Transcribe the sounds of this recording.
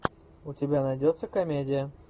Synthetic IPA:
ʊtʲɪbʲanɐjdʲot̪səkɐmʲedʲɪjə

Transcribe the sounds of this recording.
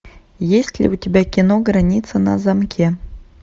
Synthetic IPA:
jesʲtʲlʲḭutʲebʲækʲinoɡranʲit̪sənɑ̰zɑmkʲʰe

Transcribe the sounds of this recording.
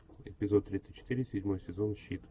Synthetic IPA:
ɪ̰pʲɪzot̪̚ːɾʲit̪sɨt̪̚ʲt͡ɕːɪ̥t̪ɨɾʲɪsʲɪdʲmo̞jsʲɪzo̞nɕit̪

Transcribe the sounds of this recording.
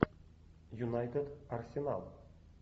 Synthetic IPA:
junɑjt̪ʲed̪arsʲenɑ̰lˠ

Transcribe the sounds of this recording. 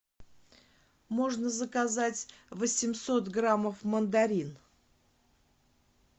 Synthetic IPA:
mo̞ʐnəzəkazatʲvəsʲɪmsot̪ɡraməfmənd̪aɾʲin

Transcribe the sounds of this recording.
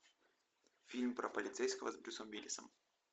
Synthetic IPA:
fʲilʲmpɾəpəlʲɪt̪sɛjskəvəzbɾʲusəmvʲilʲɪ̰səm

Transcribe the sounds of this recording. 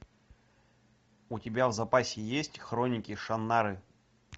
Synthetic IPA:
ʊtʲɪbʲavzɐpasʲɪjesʲtʲxɾonʲɪkʲɪʂɐnːaɾɨ

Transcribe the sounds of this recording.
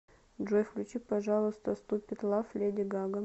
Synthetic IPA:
ʐojfklʲʉt͡ɕipɐʐalˠəst̪əst̪upʲɪt̪lˠaflʲedʲɪɡaɡə

